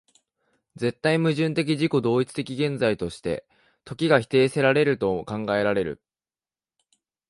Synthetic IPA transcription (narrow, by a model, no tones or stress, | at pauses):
d͡ze̞t̪ːaimɯ̟ʑɨ̃nt̪e̞k̬ʲiʑiko̞d̪o̞ːit͡sɨ̥t̪e̞kʲiɡẽ̞nd͡zait̪o̞ɕi̥t̪e̞̰ | t̪o̞kʲiɡaçi̥t̪e̞ːse̞ɾaɾe̞ɾɯ̟t̪o̞kãŋɡae̞ɾaɾe̞ɾɯ̟̰